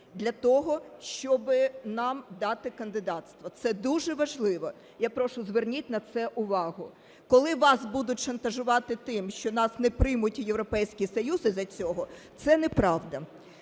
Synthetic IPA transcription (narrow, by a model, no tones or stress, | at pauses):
d̪lʲɐt̪ɔɦɔʃt͡ʃɔbɪnɑmd̪ɑt̪ɪkɐnd̪ɪd̪ɑt̪st̪ʋɐt̪sɛd̪uʒɛʋɐʒlˠɪʋɔ | japɾɔʃʊzʋernʲitʲnɐt̪sɛʔʊʋɑɦʊ | kɔlˠɪʋɑsbud̪ʊtʲʃɐnt̪ɐʒʊʋɑt̪ɪt̪ɪmʃt͡ʃɔnɑsnɛpɾɪjmʊtʲjeʋɾɔpɛjsʲkʲisɔjuzɪzɐt͡sʲɔɦɔt̪sɛnɛpɾɑʋd̪ɐ